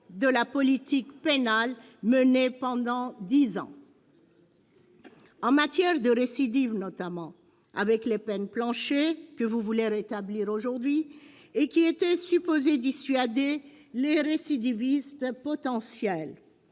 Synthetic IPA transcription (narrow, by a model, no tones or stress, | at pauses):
d̪əlapɔlit̪ikpenal | mənepɑ̃d̪ɑ̃d̪izɑ̰̃ | ɑ̃mat̪jɛʁd̪əʁesid̪ivnɔt̪amɑ̃ | a̰vɛklepɛnplɑ̃ʃekəvuvuleʁet̪abliʁoʒuʁd̪ɥi | ekʲiet̪ɛsypozed̪isɥad̪e | leʁesid̪ivist̪pɔt̪ɑ̃sjɛl